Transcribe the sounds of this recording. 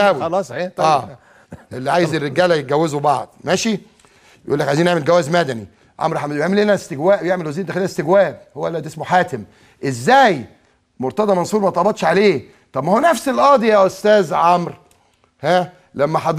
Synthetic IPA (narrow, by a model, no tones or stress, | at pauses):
æwilɑsˤiæː | ʔʔelːiʕaːjezerːeɡæːlæjet̪̚ɡæwːezobɑʕd̪̥ˤmæʃi | jʔuːlːækʕajziːnʔeʕmelɡæwæːzmæd̪æni | ʕɑ̰mɾħamjeʕmelːhenæst̪eɡwæːʔwejeʕmelwæziːnd̪æxelinæst̪eɡwæːbhowːælːæd̪esmoħaːt̪em | ʔezːæːj | moɾt̪ɑd̪ˤɑmɑnsˤuːɾmæt̪ˤːɑbɑt̪ˤʃʕaleː | t̪ˤɑbmæhowænæfselʔɑːd̪ijæːʔost̪æːzʕɑmɾ | hæ | læmːæħɑd̪